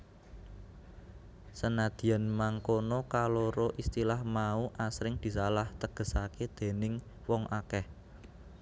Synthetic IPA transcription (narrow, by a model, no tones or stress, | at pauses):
sənad̪̥i̤anmaŋkonɔkaloɾoʔist̪ilahmauʔasɾɪŋd̪̥i̤salaht̪əɡ̥ə̤saked̪̥e̤nɪŋ | wɔŋʔakɛh